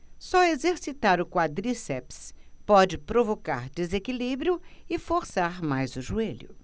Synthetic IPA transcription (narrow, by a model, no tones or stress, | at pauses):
sɔezeɾsit̪aɾʊkwad̪ɾisɛpspɔd͡ʒɪpɾovoka̰ɾd̪ezekilibɾjʊɪfoɾsaɾmajzʊʒueʎʊ